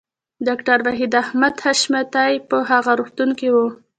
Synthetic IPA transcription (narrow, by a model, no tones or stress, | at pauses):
ɖɑkʈaɾwaɦid̪ahmad̪haʃmat̪ajpəɦaɣaɾuxt̪unkiwu